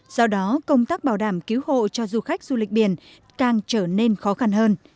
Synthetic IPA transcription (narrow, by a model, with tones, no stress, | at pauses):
sɔ˧wɗɔ˨˦kə˧wŋ͡mt̪aː˦˥k̚ɓaː˧˩wɗaː˧˩mki˨˦who̰˧˨t͡ɕɔ˧zu˧xa˦˥k̚zu˧lï˨˩k̟̚ɓi˧˩ən | kaː˨˩ŋt͡ɕəː˧˩ne˧nxɔ˨˦xa˧nhəː˧n